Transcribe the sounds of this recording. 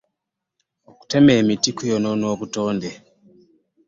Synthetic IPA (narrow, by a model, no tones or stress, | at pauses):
oku̥tememitikujononokutoːnde